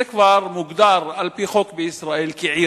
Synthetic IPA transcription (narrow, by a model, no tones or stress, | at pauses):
akbɑɾˤmʊɡd̪ɑːɾˤalpixokbiʔɪsɾˤɑːʔiːlkaʕiː